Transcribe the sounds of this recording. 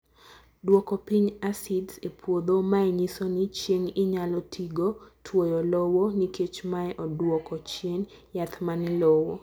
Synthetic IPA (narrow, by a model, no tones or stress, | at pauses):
dwɔkɔpiɲasidzepʰwod̪omaɛɲisonɪt͡ʃjeŋɪɲalɔtʰiɡotʰwojɔlɔwoniket͡ʃmaɛʔɔdwɔkɔt͡ʃjenjat̪manɪlɔwɔ